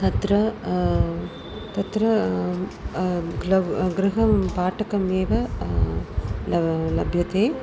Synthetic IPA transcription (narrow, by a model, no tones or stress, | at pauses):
t̪ɐt̪ɾɐ | t̪ɐt̪ɾɐ | ɡɐɡɾɪɦɐpaːʈɐkɐmeːʋɐ | lɐlɐ̰bʱjɐt̪eː